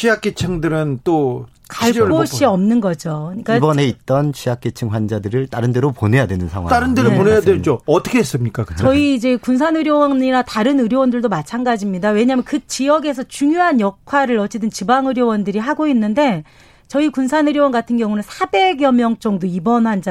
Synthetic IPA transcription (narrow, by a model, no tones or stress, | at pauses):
t͡ɕʰijak͈et͡ɕʰɯŋdɯɾɯnt͈o | kaaɭ͈oɕ͈iʌmnɯnɡʌd͡ʑoɯɲik͈abʌne̞it̚t͈ʌnt͡ɕʰijak͈et͡ɕʰɯŋwand͡ʑadɯɾɯɭt͈aɾɯnde̞ɾopone̞jadwenɯnsʰa̰ŋɦwa̰aɾɯndeɾoponejadwed͡ʑoʌtʰʌkʰeɦes͈ɯmɲik͈akɯʌiːd͡ʑe̞kuns̬ʰanɯɾjowʌɲiɾataɾɯnɯɾjowʌndɯɭdomat͡ɕʰanɡad͡ʑimɲidawe̞ɲamjʌnkɯt͡ɕijʌɡe̞s̬ʰʌt͡ɕuŋjoɦanjʌkkʰwaɾɯɾʌt͡ɕ͈ed̬ɯnt͡ɕibaŋɯɾjowʌndɯɾiɦaɡoinːɯnde̞ | t͡ɕʌikunsʰanɯɾjowʌnɡatʰɯnɡjʌŋunɯnsʰabe̞ɡjʌmjʌŋt͡ɕ͈ʌŋdoibʌnhwand͡ʑa